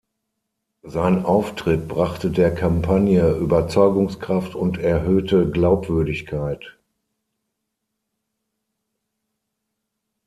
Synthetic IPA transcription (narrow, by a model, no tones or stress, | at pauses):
zaɪnʔaʊftʁ̥ɪt̚b̥ʁaχtədeːɐkʰampʰanjəʔyːbɐt͡sɔʏɡʊŋskʁ̥aftʊntʰɛɐɦøːtəɡlaʊpv̥ʏɐdɪçkʰaɪt